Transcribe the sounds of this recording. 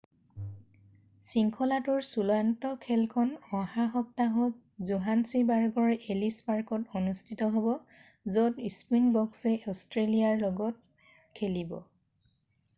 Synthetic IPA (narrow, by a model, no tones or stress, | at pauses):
siŋkʰɔlatʊɹsulɔantɔkʰɛlkʰɔnɔ̃ɦaxɔp̚taɦɔt | zuɦansibaɹɡɔɹʔelispaɹkɔtonustʰitɔɦobɔ | zɔtispunbɔksɛʔɔstɹelijaɹlɔɡɔt̚ | kʰelibɔ̰